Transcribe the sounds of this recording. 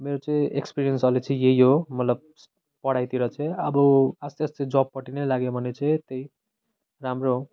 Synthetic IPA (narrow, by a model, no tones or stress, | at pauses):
meɾot͡saĩekspiɾijʌnsʌlit͡sʰaĩjeɦjɦomʌt̪lʌb̚ | pʌɽajt̪iɾʌt͡sʰẽʌbʌʌst̪iʌst̪ed͡zob̚pʌʈinʌjlaɡjobʱʌnet͡sãĩt̪eij | ramro